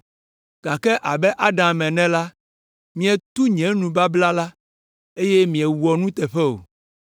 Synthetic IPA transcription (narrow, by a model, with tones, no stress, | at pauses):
ɡ̥a˨kɛ˦ʔa˨bɛ˦ʔa˦ɖã˨mɛ̃˨nɛ̃˦la˦ | mĩ˨ɛ˨t̪u˦ɲɛ̃˨˦nũ˨ba˦bla˦la˦ | e˦je˦mĩ˨ɛ˨wu˨ɔ˨nũ˦t̪ɛ˨ɸɛ˦o̰˨